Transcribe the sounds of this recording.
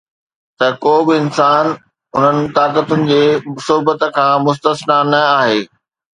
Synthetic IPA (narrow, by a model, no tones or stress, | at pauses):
t̪ɐkoːbɪɪnsaːn | ʊn̤ənɪ̆t̪aːkət̪ʊnɪ̆d͡ʑeːʊsʊɦbət̪ə̆kʰãːmʊst̪əsnanɐaːɦeː